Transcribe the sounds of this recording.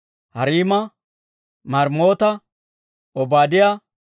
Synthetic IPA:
hɐɾiːmɐ | mɐɾmo̞ːt̪ɐ | ɔbaːd̪ɪjɐ

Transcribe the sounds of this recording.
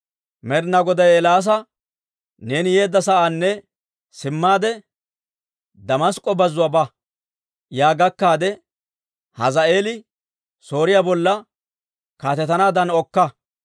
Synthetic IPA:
mɛɾnɐɡɔd̪ɐjɛlaːs̬ɐ | ne̞ːnɪje̞ːd̪ːɐsɐʔaːnːɛ | sɪmːaːd̪ɛ | d̪ɐmɐskʼːɔbɐzːʊwabɐ | jaːɡɐkːaːd̪ɛ | hɐzɐe̞ːlɪ | so̞ːɾɪjaːbɔlːɐ | kaːt̪ɛt̪ɐnaːd̪ɐnɔkːɐ

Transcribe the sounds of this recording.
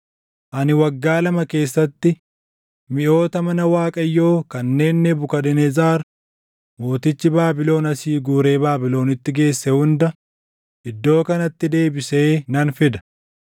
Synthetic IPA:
ʔɐnɪwɐɡːaːlɐmɐke̞ːsːɐt̪ːɪ | mɪʔo̞ːt̪ɐmɐnɐwaːkʼɐjːo̞ːkɐnːe̞ːnːɛbʊkɐᶑɛnɛzaːɾ | mo̞ːt̪ɪt͡ʃːɪbaːbɪlo̞ːnɐsiːɡuːɾe̞ːbaːbɪlo̞ːnɪt̪ːɪɡe̞ːsːɛhʊnd̪ɐ | ʔɪd̪ːo̞ːkɐnɐt̪ːɪd̪e̞ːbɪse̞ːnɐnfɪd̪ɐ̥

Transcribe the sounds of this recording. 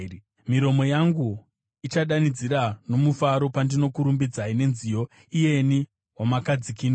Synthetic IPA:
miɾo̞mo̞jaŋɡu | it͡ʃaɗanid͡ziɾano̞mufaɾo̞pandino̞kuɾumbid͡zaine̞nzijo̞ | ije̞ni | wamakad͡zikino

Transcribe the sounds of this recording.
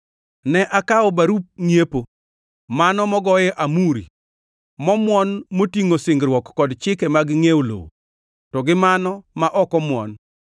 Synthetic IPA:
nɛʔakaɔbaɾup̚ŋiepo | manɔmɔɡɔjɛʔamuɾḭ | mɔmwɔnmotiŋosɪŋɡɾwɔkːɔdt͡ʃɪkɛmaɡɪŋewolo̰w̰ | tɔɡɪmanɔmaʔɔkɔmwɔ̰n

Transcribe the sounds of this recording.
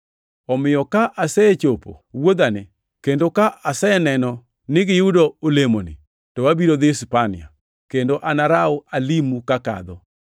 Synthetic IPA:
ɔmɪjɔkaʔasɛt͡ʃopo̰wod̪anɪ | kendokaʔasɛnɛnɔ | nɪɡɪudoolemonɪ̰ | tɔwabiɾod̪ɪspanɪ̰a̰ | kendoʔanaɾaɔalimukaka̰d̪ɔ

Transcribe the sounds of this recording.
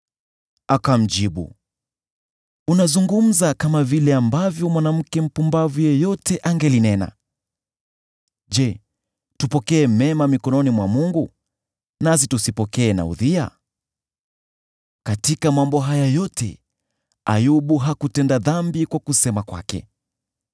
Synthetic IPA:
akam̩d͡ʒiɓṵ | unazuŋɡum̩zakamavilɛambavjɔmwanam̩kɛm̩pumbavujɛjɔtɛʔaŋɡɛlinɛna̰ | ʄɛ | tupɔkɛːmɛmamikɔnɔnimwamuŋɡu | nas̬itusipɔkɛːna̰ṵðia̰ | katikamambɔɦajajɔtʰɛ̰ | a̰juɓuɦakutɛndaðambikwakusɛmakwa̰kɛ̰

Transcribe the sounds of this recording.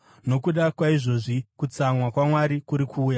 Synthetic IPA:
no̞kuɗakwaiʐo̞ʐikut͡samwakwamwaɾikuɾikʰuːja

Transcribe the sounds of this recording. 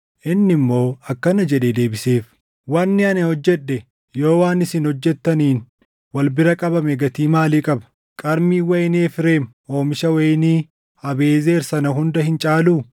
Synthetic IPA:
ʔɪnːɪmːo̞ːɐkːɐnɐd͡ʒɛᶑed̪e̞ːbɪse̞ːf | wɐnːɪɐnɛhɔd͡ʒːɛɗːɛ | joːwaːnɪsɪnhɔd͡ʒːɛt̪ːɐniːn | wɐlbɪɾɐkʼɐbɐmɛɡɐt̪iːmaːliːkʼɐbɐ̥ | kʼɐɾmiːwɐjneːfɪɾe̞ːm | o̞ːmɪʃɐwɐjniː | ɐbe̞ːze̞ːɾsɐnɐɦʊnd̪ɐhɪnt͡ʃʼaːluː

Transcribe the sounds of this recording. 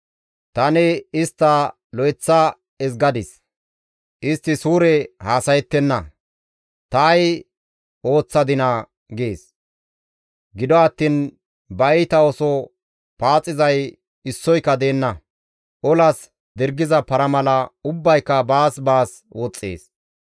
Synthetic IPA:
t̪ɐnɛɪst̪ːɐ | lɔjt͡sːɐ | ɛs̬ɡɐd̪ɪs | ʔɪst̪ːɪsuːɾɛhaːsɐjɛt̪ːɛnːɐ | t̪ɐːj | ʔo̞ːt͡sːɐd̪ɪnɐ | ɡeːs | ɡɪd̪ɔɐt̪ːiːn | bɐjt̪ɐɔsɔ | paːt͡sʼːɪzɐj | ɪsːɔjkːɐd̪e̞ːnːɐ | ʔɔlɐs | d̪ɪɾɡɪzɐpɐɾɐmɐlɐʊbːɐjkːɐbaːsbaːs | wɔt͡sʼːḛːs

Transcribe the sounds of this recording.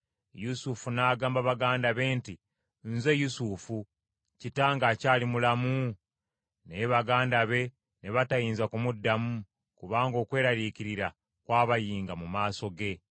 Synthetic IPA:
jusufunaːɡaːmbaβaɡaːndaβe̞ːnti | nze̞jusufu | citaːŋɡacaːlimulamu | ne̞βaɡaːndaβe̞ | ne̞βatajiːnzakumudːamu | kuβaːŋɡo̞ːkwe̞ːɾaɾikiɾiɾa | kwaːβajiːŋɡamumaːso̞ɡe̞

